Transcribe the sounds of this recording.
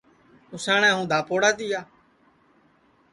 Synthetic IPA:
ʊsaːɳãːɦũːd̪ʱaːpoːɽaːt̪iːaː

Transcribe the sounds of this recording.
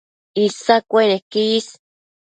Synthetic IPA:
isakʷenekis

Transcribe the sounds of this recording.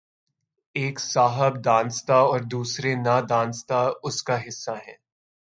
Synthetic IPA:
eːksaːɦəb̚d̪ãːnst̪aɔːɾd̪uːsɾenad̪ãːnst̪aʊskaɦɪsːaɦɛ̰̃ː

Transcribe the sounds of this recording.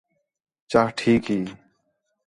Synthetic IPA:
t͡ʃahʈʰiːkɦiː

